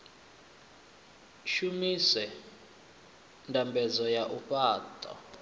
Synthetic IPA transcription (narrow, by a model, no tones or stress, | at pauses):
ʃumisɛ | ndʱambʱɛzɔjaʔuɸʼaːtʼɔ̰